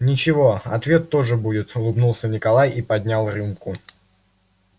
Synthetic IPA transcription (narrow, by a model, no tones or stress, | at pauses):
nʲɪt͡ɕɪvo̞ɐ̰t̪vʲe̞t̪ːo̞ʐɨbudʲɪt̪ʊlˠɨbnulˠsʲənʲɪkɐlˠajipɐd̪ʲnʲalˠrɨmkʊ